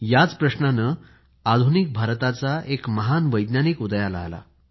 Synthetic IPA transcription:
jat͡spɾəɕnanə | ad̪ʱunik̚bʱaɾt̪at͡saʔekməɦanʋəjd̪nanikud̪jala̰ɦla̰

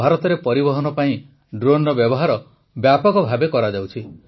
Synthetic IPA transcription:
aɾɔt̪ɔɾepɔɾibɔɦɔnɔpaĩ | ɖɾonɔbjɔbɔɦaɾɔ | bjapɔɡɔbʱabekɔɾad͡ʒawt͡ʃʰi

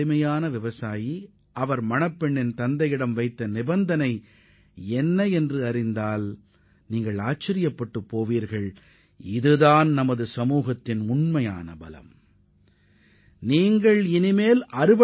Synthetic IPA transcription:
ɪmɐjaːnɐʋɪʋɐsaːji | ʔɐʋɐɾmɐnɐpːɛɳːɪnt̪ɐnd̪ɐjɪɽɐmʋɐɪt̪ːɐnɪbɐnd̪ɐnɐɪ | ɛnːɐɛndrɯɐrɪnd̪aːl | niːŋɡɐɭaːt͡ʃːɐɾɪjɐpːɐʈːɯpːoːʋiːɾɣɐɭ | ɪðɯðaːnnɐmɐðɯsɐmuːɣɐt̪ːɪnʊɳmɐja̰ːnɐ̰bɐlɐ̰m | niːŋɡɐɭɪnɪmeːlʔɐɾɯʋɐ

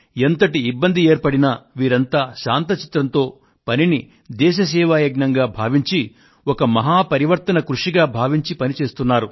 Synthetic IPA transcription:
ent̪ɐʈiːbːɐnd̪ieːɾpɐɽinɐʋiːɾɐnt̪aːʃaːnt̪ɐt͡ʃi̥t̪ɾɐnt̪o̞ː | pɐnini | d̪ɛːʃ̬ɐs̬ɛːʋaːjɐɡnɐŋɡaːbʱaːʋiɲt͡ʃi | wɔkɐmɐɦaːpɐɾiʋɐɾt̪ɐnɐkɾuʂiɡaːbʱaːʋiɲt͡ʃipɐnit͡ʃe̞ːst̪unːaːɾu

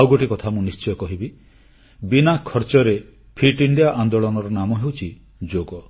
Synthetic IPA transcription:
wɡɔʈikɔt̪ʰamũnist͡ʃɔjɔkɔɦibi | binakʰɔɾt͡ʃɔɾe | pʰiʈiɳɖijaʔand̪oɭɔnɔɾɔnamɔɦewt͡ʃʰi | d͡ʒoɡɔ

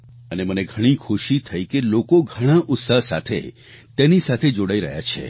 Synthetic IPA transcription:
əneməneɡʱəɽ̃ikʰuʃit̪ʰəikelokoɡʱəɽ̃aʔʊt̪saɦsa̰t̪ʰḛ | t̪enisat̪ʰed͡ʒoɽaiɾəɦja̰t͡ʃʰḛ

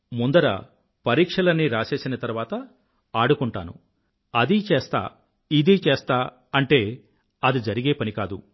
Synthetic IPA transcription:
mund̪ɐɾɐ̰ | pɐɾiːkʂɐlɐnːiɾaːse̞ːsinɐt̪ɐɾuʋaːt̪ɐ | aːɽukuɳʈa̰ːnṵ | ɐd̪it͡ʃeːst̪a̰ː | id̪iːt͡ʃeːst̪aː | ɐɳʈe̞ː | ɐd̪id͡ʒɐɾiɡe̞ːpɐnikaːd̪ṵ

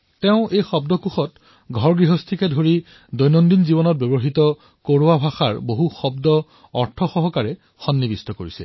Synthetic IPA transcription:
teʊʔejxɔb̚dɔkuxɔt | ɡʱɔɹɡɹiɦɔstʰikɛdʱoɹi | dɔjnɔndinzibɔnɔt̚bebɔɦitɔ | koɹowabʱaxaɹboɦuxɔbdɔ | ɔɹtʰɔxɔɦɔkaɹɛ | xɔnːibistɔkoɹisɛ̰

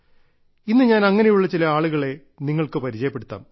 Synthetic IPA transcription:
inːɨɲaːnɐŋːɐnejuɭːɐt͡ɕilɐaːɭuɣɐɭe̞ | niŋːɐɭkɨpɐɾit͡ɕɐjɐpːe̞ɽut̪ːa̰ːm

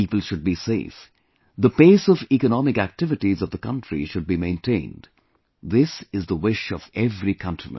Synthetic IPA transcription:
ipəl̩ˠʃʊd̚biseɪf | ðəpeːsʌvikənɑmɪkæk̚tɪvɨʈizʌvðəkʌ̃ntɹ̥ḭʃʊd̚bimẽɪ̃ntʰẽɪ̃nd | ðɪsɪzðəwɪʃʌvɛvɾikʰʌ̃ntɹ̥imə̰̃

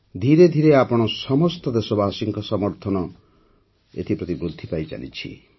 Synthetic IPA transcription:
d̪ʱiɾed̪ʱiɾeapɔɽ̃ɔsɔmɔst̪ɔd̪esɔbaːsiŋkɔsɔmɔɾt̪ʰɔnɔ | ḛt̪ʰipɾɔt̪ibɾud̪ʱːipajd͡ʒa̰nḭt͡ʃʰḭ

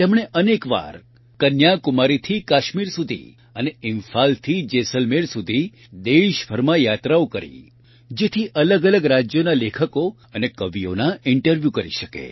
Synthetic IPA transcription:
t̪emɽ̃eʔənekʋa̰ɾ | kənjakʊmaɾit̪ʰikaʃmiɾsud̪ʱḭ | əneɪnfalt̪ʰid͡ʒesəlmeɾsud̪ʱi | d̪eʃfʰəɾmajat̪ɾaokəɾḭ | d͡ʒet̪ʰiʔələɡələɡɾad͡ʒjonalekʰəko | ənekəʋijo̰naɪɳʈəɾʋjukəɾḭʃəkḛ

